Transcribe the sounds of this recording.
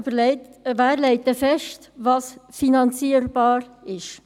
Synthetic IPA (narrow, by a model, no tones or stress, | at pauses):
væːɾlɛɪtəfɛʃtvɑsfinɑnt͡siːəɾb̥ɑːɾɪʃ